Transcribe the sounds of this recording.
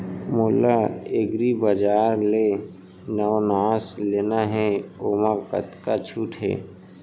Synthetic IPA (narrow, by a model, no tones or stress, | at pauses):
mʊlaeɡɾibəd͡ʒaːɾle | nəwnaːzleːnaɦɛoːmakə̰t̪kat͡ʃʰuːʈʰɦɛ̰ː